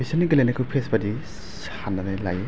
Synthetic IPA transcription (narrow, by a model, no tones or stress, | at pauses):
isɔnːiɡɯlenakʰɯpʰesbadi | s | anːanajlaj